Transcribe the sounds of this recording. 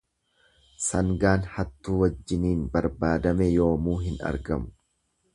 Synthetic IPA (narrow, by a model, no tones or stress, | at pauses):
sɐŋɡaːnhɐt̪ːuːwɐd͡ʒːɪniːnbɐɾbaːd̪ɐmɛjo̞ːmuːɦɪnɐ̰ɾɡɐmʊ̥